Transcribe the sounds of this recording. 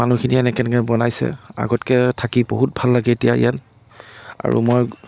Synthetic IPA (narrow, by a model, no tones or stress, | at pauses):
manukʰiniɛnɛkɛnɛkɛbɔnajsɛ̰a̰ɡɔtkɛtʰakiboɦut̚bʱalːaɡɛetijaḭjan | a̰ɹṵmoj